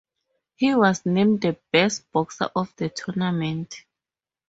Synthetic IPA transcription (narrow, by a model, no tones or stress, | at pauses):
hiwɔsnẽmddəb̥ɛst̚b̥ɔksa̰ʔɔfdətʰunamɛ̃ntʰ